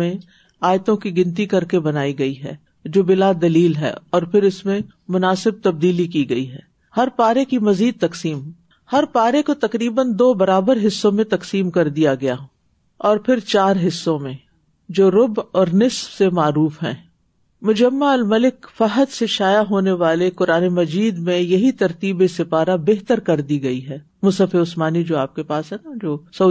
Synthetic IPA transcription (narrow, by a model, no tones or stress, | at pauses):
ẽ | aːjt̪õkiɡɪ̃nt̪̬ikɐɾkebɐnaːiɡɐiɦɛ̰ː | d͡ʒoːbɪlad̪ɐliːlɦɛ̰ːɔːɾpʰɪɾɪsmẽ | mʊnaːsɪb̚t̪ɐb̚d̪iːlikiɡɐiɦɛ̰ː | hɐɾpaːɾekimɐziːd̪̚t̪ɐksiːm | hɐɾpaːɾekot̪ɐkɾiːbənd̪oːbɐɾaːbəɾɦɪsːõmẽt̪ɐksiːmkɐɾd̪ijaɡɐjaː | ɔːɾpʰɪɾt͡ʃaːɾɦɪsːõmẽ | d͡ʒoːɾʊbɔːɾnɪsfsemaːɾuːfɦɛ̰̃ː | mʊd͡ʒɐmːaɐlmɐlɪkfɐɦət̪seʃaːjaɦoːneʋaːlekʊɾaːnemɐd͡ʒiːd̪mẽjɐɦit̪ɐɾt̪iːbesɪpaːɾabeːɦt̪əɾkɐɾd̪iɡɐiɦɛː | mʊsəfeʊsmaːnid͡ʒoːaːp̚kepaːsɦɛnad͡ʒoːsɐ